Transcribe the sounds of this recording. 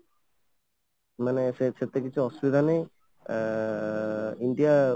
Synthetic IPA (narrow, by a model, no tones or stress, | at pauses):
maneseset̪ekit͡ʃʰuɔsubid̪ʱanej | ind̪ija